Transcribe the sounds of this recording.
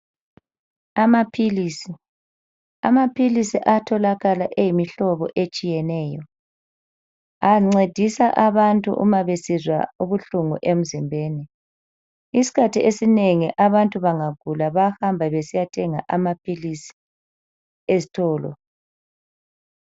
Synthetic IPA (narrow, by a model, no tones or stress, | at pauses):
amapʰiliːsi | a̰mapʰilisiʔatʰɔlaɣalaʔejimiɬɔβɔ̰ʔet͡ʃʼijɛnɛːjɔ | aŋ͡ǀed̥ʱisaʔaβantʼṵʔṵmaβesizwa̰uβuɬuŋuʔem̩zimbʱeːni | isi̥kʰatʰiʔesineŋiʔaβantʼuβaŋaɡ̥ʱulaβahambʱaβesijatʰɛŋa̰ʔamapʰilisi̥ | ezitʰɔːlɔ̰